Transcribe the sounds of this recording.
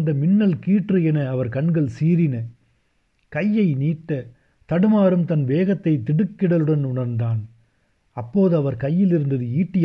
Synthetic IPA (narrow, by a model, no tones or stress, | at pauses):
nd̪ɐmɪnːɐlkiːʈrɯɛnɐːʋɐɾkɐɳɡɐɭsiːɾɪnɐ | kɐjːɐɪniːʈːɐ | t̪ɐɽɯmaːɾɯmt̪ɐnʋeːɣɐt̪ːɐɪt̪ːɪɽɯkːɪɽɐlɯɽɐnʊɳɐɾnd̪aːn | ɐpːoːðɯɐʋɐɾkɐjːɪlɪɾɯnd̪ɐðɯiːʈːɪj